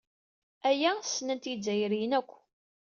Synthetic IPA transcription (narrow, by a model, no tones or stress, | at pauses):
æjæsːnənt̪id͡zːæjɾijənækʷː